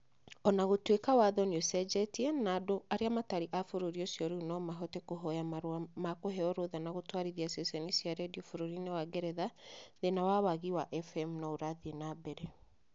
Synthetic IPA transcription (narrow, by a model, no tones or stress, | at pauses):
ɔnaɣotwekawaðɔniosɛd͡ʒɛtiɛnadoaɾeamataɾiʔafoɾoɾiɔsjɔɾuunɔmaɦɔtɛkoɦɔjamaɾoamakoɦɛɔɾoðanaɣotwaɾiðiasɔsɛnisiaɾɛdiofoɾoɾinewaɡɛɾɛðaðenawaβaɣiwaʔɛfɛmunaoɾaðenabɛɾɛ